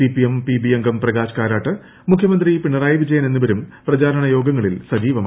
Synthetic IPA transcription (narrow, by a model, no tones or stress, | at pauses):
ipiempibieŋɡɐmprɐɡaːɕkaːɾaːʈːɨ | mukʰjɐmɐnd̪ripiɳːɐraːjʋid͡ʑɐjɐne̞nːuʋɐɾumprɐd͡ʑaːɾɐɳɐjo̞ːɡɐŋːɐɭilsɐd͡ʑiːʋɐm